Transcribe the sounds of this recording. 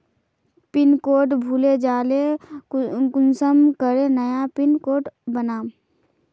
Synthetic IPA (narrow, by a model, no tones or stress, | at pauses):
pɪnkoːʈbʱuled͡ʒaːle | kʊnsəmkəɾenəjapɪnkoːʈbənaːm